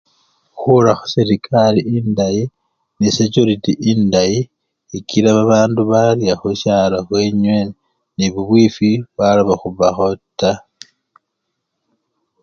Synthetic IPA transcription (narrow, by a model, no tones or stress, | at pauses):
xuɾaxu̥siɾikʰaliindaji | nisecuɾitiʔindaji | ikiɾaβaβaːnduβaljaxuʃaːlaxweɲwe | niβuβwifiβwaloβaxuβaxo̞tːa